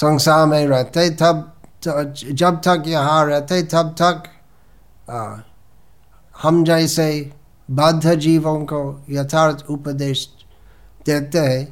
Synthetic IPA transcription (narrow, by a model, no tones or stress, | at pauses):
sə̃ŋsamẽɾɛɦt̪eɦɛ̃t̪ɐbt̪d͡ʒɐb̚t̪ɐkjɐɦãɾɛɦt̪eɦɛ̃t̪ɐb̚t̪ɐk | həmd͡ʒəɪse | bɐd̪ʱːəd͡ʒiːʋõkojɐt̪ʰaːɾt̪ʰupəd̪eːʃ | d̪̥eːt̪eɦɛ̃